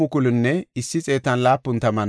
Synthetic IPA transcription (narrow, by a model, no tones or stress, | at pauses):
ʊkʊlʊnːɛɪsːɪt͡sʼe̞ːt̪ːɐnlaːpːʊnt̪ɐmɐn